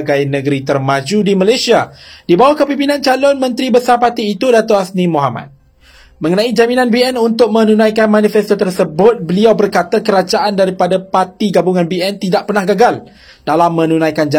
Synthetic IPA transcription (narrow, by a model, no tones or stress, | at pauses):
ɡajnə̃ɡəɾit̪ərmãd͡ʒudimalajsiadibawahkəpimpinãnt͡ʃalʊnmə̃nt̪ɾibəsarpat̪iːt̪udat̪oʔasnĩmoɦama̰t̪̚ | mə̃ŋənãid͡ʒaminãnbiɛnunt̪ʊk̚mə̃nũnãjkanmãnifɛst̪ot̪ərsəbʊt̪̚bəliawbərkat̪akəɾad͡ʒaʔandaɾipadapart̪iɡabuŋãnbiɛnt̪idaʔ̚pərnahɡaɡal | d̥alamːə̃nũnãjkand͡ʒa